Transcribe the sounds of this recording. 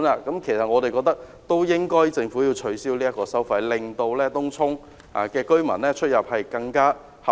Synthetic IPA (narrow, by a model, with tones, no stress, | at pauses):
naː˧kɐ˨˥mkʰe˨˩jsɐ˨t̚ŋɔː˨˧t̪e˨kɔː˧k̚t̪ɐ˥k̚ | t̪o˥wjɪ˥ŋkɔː˥jt͡sɪ˧ŋfuː˨˥jiː˧wt͡ʃʰɵ˨˥ɥsiː˥wliː˥jɐ˥tkɔː˧sɐ˥wfɐ˧jlɪ˨ŋt̪o˧wlɛː˥t̪ʊ˥ŋt͡sʰʊ˥ŋ | a̰ː˨kɛː˧kɵ˥ɥmɐ̰˨˩nlɛː˥t͡ʃʰɵ˥t̚jɐ˨p̚hɐ˨jkɐ˧ŋkaː˥ | hɐ˨